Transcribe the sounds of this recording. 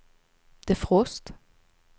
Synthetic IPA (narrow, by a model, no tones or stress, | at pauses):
d̪̥eːfʁoːst̪